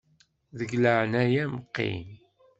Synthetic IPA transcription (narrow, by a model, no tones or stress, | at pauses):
ðəɡləʕənæjæməqːḭm